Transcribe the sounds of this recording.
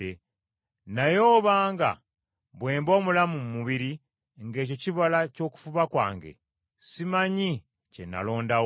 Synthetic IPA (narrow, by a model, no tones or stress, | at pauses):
e | najo̞ːβaːŋɡa̰ | βwe̞ːmbo̞ːmulamummuβiɾi | ŋɡe̞ːco̞ciβolaco̞ːku̥fuβakwa̰ːŋɡe̞̰ | simaɲi | cenːa̰lo̞ːndaw